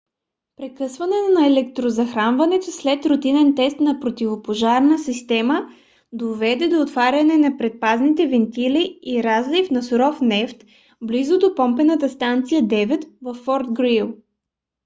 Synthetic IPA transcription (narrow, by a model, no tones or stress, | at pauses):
pɾɛkɤsvɐnɛt̪nɐɛlɛk̚t̪ɾozɐxɾanvɐnɛt̪oslɛt̪ɾʊt̪inɛnt̪ɛst̪nɐpɾot̪ivopoʒaɾnəsist̪ɛmə | d̪ovɛd̪ɛd̪oːt̪vaɾʲɐnɛnɐpɾɛt̪̚paznit̪ɛvɛnt̪iliiɾazlifnɐsʊɾɔfnɛft̪ | blizʊd̪opɔmpɛnət̪əst̪ant̪sijəd̪ɛvɛt̪vɐfːɔɾt̪̚ɡɾilˠ